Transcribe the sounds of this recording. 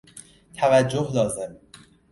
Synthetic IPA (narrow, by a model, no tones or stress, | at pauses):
t̪ʰævæd͡ʒːohlɒːze̞m